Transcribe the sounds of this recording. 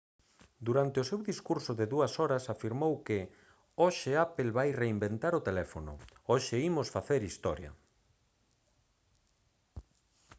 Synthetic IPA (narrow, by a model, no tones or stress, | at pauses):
d̪uɾant̪eʊsewðiskuɾsʊðɪðuɐsɔɾɐsafiɾmowkɪ | oʃɪapelβajreimbent̪aɾot̪elɛfonʊ̰oʃɪimosfaθeɾist̪ɔɾjɐ̰